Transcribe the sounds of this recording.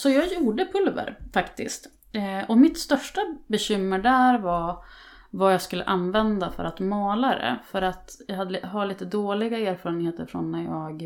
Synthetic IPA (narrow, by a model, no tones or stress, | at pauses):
sɔjɑːɡjuːɖəpʰɵlvə̰ɾfakt̪ɪ̰st̪ | ɔmɪt̪st̪œʂʈabɛɕʏmːəɖæɾva | vajɑːɡskɵlːə̰ʔanvɛnd̪afœ̰ɾat̪mɑːlad̪ɛ̰fœɾat̪jɑɦad̪ːəɦaɭiːt̪əd̪oːlɪɡaeːɾfɑːɾənheːt̪əɾfɾɔ̰nːæjɑːɡ